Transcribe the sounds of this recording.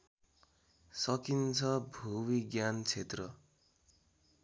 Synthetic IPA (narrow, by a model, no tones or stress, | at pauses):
sʌkint͡sʰʌbʱuwiɡjant͡sʰet̪rʌ